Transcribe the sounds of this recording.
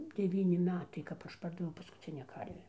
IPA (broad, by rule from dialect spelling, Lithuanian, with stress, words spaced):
dʲɛˈʋʲiːnʲɪ ˈmʲæːtɐɪ kɐp ˈɐʃ ˈpɐrdɐʋʲɛʊ pɐskʊˈt͡sʲɪnʲæː ˈkɐrʲʋʲæː